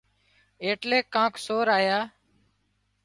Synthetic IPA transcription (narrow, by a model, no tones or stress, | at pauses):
eːʈleːkːãːksoːɾaːjaː